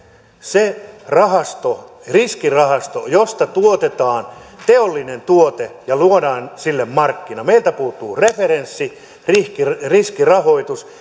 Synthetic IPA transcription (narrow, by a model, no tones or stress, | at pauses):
serɑhɑst̪o | riskirɑhɑst̪ojost̪ɑt̪uot̪et̪ɑːnt̪eolːinent̪uot̪ejɑluodɑːnsilːemmɑrkːinɑmeilt̪æpuːt̪ːˑuːreferensːi | rihkiriskirɑhoit̪us